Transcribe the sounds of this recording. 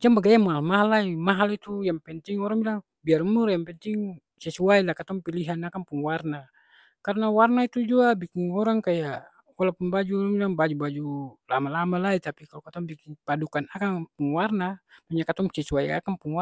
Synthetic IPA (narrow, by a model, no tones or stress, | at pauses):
d͡ʒaŋbaɡajamaɦalmaɦalːaimaɦalit̪ujaŋpɛnt̪iŋɔɾaŋbilaŋ | biarumurjaŋpɛnt̪iŋ | sɛsuailahkat̪ɔŋpiliɦanakaŋpuŋwarna | kaɾnawarnait̪ud͡ʒuabikiŋɔɾaŋkaja | walapunbad͡ʒuɔlaŋbilaŋbad͡ʒubad͡ʒulamalamalait̪apikalɔkat̪ɔŋbikiŋpadukanakaŋpuŋwarnamaɲakat̪ɔŋsɛsuwaia̰kaŋpuŋwa